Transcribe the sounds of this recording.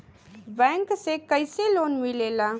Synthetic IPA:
bɛ̃ŋksekəjselonmilela

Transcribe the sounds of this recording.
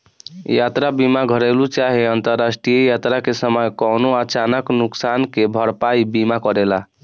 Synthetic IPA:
jat̪ɾabimaɡʱəɾelut͡ʃaɦeənt̪əɾːasʈɾijəjat̪ɾakesəməjkɔnoat͡ʃanəknuksankebʱəɾpaibimakəɾela

